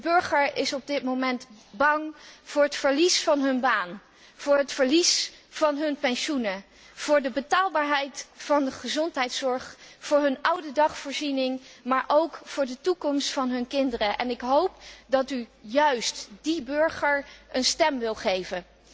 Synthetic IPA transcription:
dəbøɹχəɹɪsɔb̚dɪtmowmɛntbɑŋv̥ʊːɹətfəɹlisfɑnɦɵnbaːn | v̥ʊːɹɦətfəɹlisvɑnɦɵnpɛnʃunə | v̥ʊːɹdəbətaːlˠbaːɹɦɛjtfɑndəχəzɔntɦɛjtsɔɹχfʊːɹɦɵnʔʌwdədɑχfʊːɹzinɪŋmaːɹʔowkfʊːɹdətukɔmstfɑnɦɵnkɪndərəʔɛnɪkɦowp̚dɑtyjœɥstd̥ibɵɹχəɹənstɛmʋɪlˠχejvən

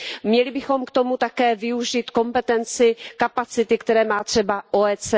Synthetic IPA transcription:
mɲɛlɪbɪxo̞mkt̪o̞mut̪akɛːvɪuʒit̪ko̞mpɛt̪ɛnt͡sɪkapat͡sɪt̪ɪkt̪ɛɾɛːmaːt̪r̝̥ɛbaʔoɛːt͡sɛ

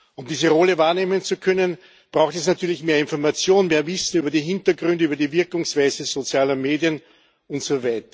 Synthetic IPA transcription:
ʊmdiːzəʁɔləvaːɐneːmənt͡sukʰœnən | b̥ʁaʊxtɛsnatʰyːɐlɪçmeːɐɪnfɔɐmat͡sjoːnmeːɐvɪsn̩yːbɐdiːɦɪntəɡʁʏndəyːbɐdiːvɪɐkʊŋsv̥æɪzezot͡sjaːlɐmeːdjən | ʊntsovæɪtɐ̥

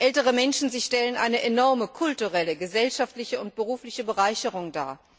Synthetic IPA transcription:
ʔɛltəʁ̞əmɛnʃn̩zɪçʃtɛlənʔa̰ɪnəʔenɔɐməkʰʊltuʁɛləɡəzɛlʃaftlɪçəʊnt̚b̥əʁuːflɪçəbəʁaɪçəʁʊŋda̰ːɐ

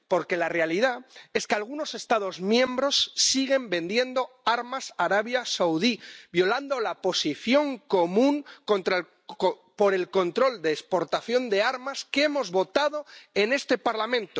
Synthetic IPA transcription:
po̞ɾke̞lare̞alið̞ae̞skealɣ̞uno̞se̞st̪að̞o̞zmjẽ̞mbɾo̞sːiɣ̞e̞mbe̞nd̪je̞nd̪o̞ | aɾmasaɾaβjasawðibjo̞land̪o̞lapo̞siθjo̞ŋko̞mũŋko̞nt̪ɾa | po̞ɾe̞lko̞nt̪ɾo̞ld̪eːspo̞ɾt̪aθjo̞nd̪e̞aɾmaskee̞mo̞zβo̞t̪aðo̞e̞ne̞st̪e̞paɾlamẽ̞nt̪o

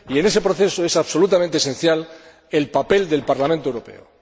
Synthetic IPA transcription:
ie̞ne̞se̞pɾo̞θe̞soe̞saβso̞lut̪am̃nt̪esẽ̞n̟θjal | e̞lpape̞ld̪e̞lpaɾlamẽnt̪oewɾo̞pe̞̰o̰

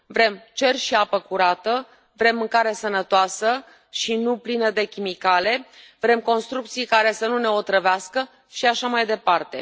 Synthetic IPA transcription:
vɾe̞mt͡ʃe̞rʲʃiapəkuɾat̪ə | vɾe̞mɨŋkaɾesənət̪oasə | ʃinuplinəd̪e̞kʲimikale̞ | vɾe̞mko̞nst̪ɾuk̚t̪sijkaɾe̞sənune̞o̞t̪ɾəveaskə | ʃiaʃamajd̪e̞part̪e̞

